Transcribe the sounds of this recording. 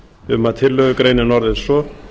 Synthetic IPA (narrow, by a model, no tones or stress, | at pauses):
ɪðʏmat̪ʰɪlːœːɣʏkɾeːjnɪnɔɾðɪðsɔ